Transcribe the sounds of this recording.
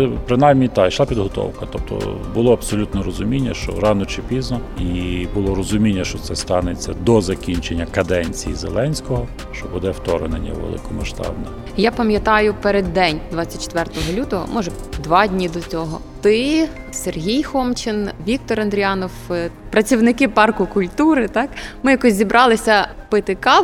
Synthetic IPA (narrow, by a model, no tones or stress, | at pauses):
pɾɪnɑjmnʲit̪ɑiʃlˠapʲid̪ɦɔt̪ɔ̰wkɐt̪ɔp̚t̪ʰɔ̰bʊlˠɔɐbsɔlʲut̪nɛɾɔzʊmʲinʲːɐʃt͡ʃɔ̰ɾɑnɔt͡ʃɪpʲiznɔibʊlˠɔɾɔzʊmʲinʲːɐʃt͡ʃɔt̪sɛst̪ɑnet͡sʲːɐ̰d̪ɔzɐkʲinʲt͡ʃenʲːɐkɐd̪ɛnʲt͡sʲijizelˠɛnʲsʲkɔɦɔ | ʃt͡ʃɔbud̪ɛft̪ɔɾḛnḛnʲːɐ̰ʋḛlˠɪ̰kɔmɐʃt̪ɑ̰bnɛ | japɐmʲjɐt̪ɑjʊpeɾed̪ːɛnʲd̪ʋɑt͡sʲːɐt̚ʲt͡ʃe̥t̪ʋɛrt̪ɔɦɔlʲut̪ɔɦɔ̰mʔɔʒɛd̪ʋɑdʲnʲid̪ɔt͡sʲɔɦɔ | t̪ɪ | serɦʲijxɔmt͡ʃɪnʋʲik̚t̪ɔɾɐnd̪ɾʲiɑnɔw | pɾɐt͡sʲiwnɪkɪpɑrkʊkʊlʲt̪uɾɪt̪ɑkmɪjakɔsʲzʲibɾʔɑlˠɪsʲɐpɪt̪ɪkɑ